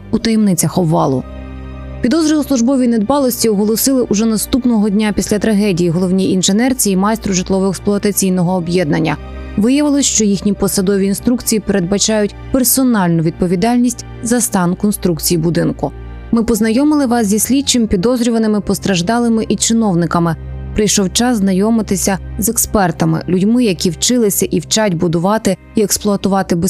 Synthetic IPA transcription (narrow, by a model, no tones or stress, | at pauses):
ut̪ɐjɛmnɪt͡sʲɐxɔbʋɑlˠʊ̰ | pʲid̪ɔzɾʲɪlˠʊslˠʊʒbɔʋʲined̪bɑlˠɔsʲtʲiɔɦɔlˠɔsɪlˠɪʔuʒɛnɐst̪upnɔɦɔdʲnʲapʲisʲlʲɐt̪ɾɐɦɛdʲijiɦɔlˠɔwnʲiinʒenɛrt͡sʲiːmɑjst̪ɾʊʒɪt̪lˠɔʋɔeksplˠʊɐt̪ɐt͡sʲijnɔɦɔːbjɛd̪̚nɐnʲːɐ̰ | ʋɪjɐʋɪlˠɪʃt͡ʃɔjixnʲipɔsɐd̪ɔʋʲiinst̪ɾukt͡sʲijipeɾed̪̚bɐt͡ʃɑjʊtʲpersɔnɑlʲnʊʋʲid̪̚pɔʋʲid̪ɑlʲnʲisʲtʲ | zɐst̪ɑnkɔnst̪ɾukt͡sʲijibʊd̪ɪnkʊ | mɪpɔznɐjɔmɪlˠɪʋɑsʲzʲisʲlʲit͡ʃːɪmpʲid̪ɔzɾʲʊʋɐnɪmɪpɔst̪ɾɐʒd̪ɑlˠɪmɪʔit͡ʃɪnɔwnɪkɐmɪpɾɪjʃɔwt͡ʃɑsznɐjɔmɪt̪ɪsʲɐzɛkspɛrt̪ɐmɪ̰lʲʊdʲmɪjɐkʲiwt͡ʃɪlˠɪsʲɐʔiwt͡ʃɑtʲbʊd̪ʊʋɑt̪ɪ | iɛksplˠʊɐt̪ʊʋɑt̪ɪbe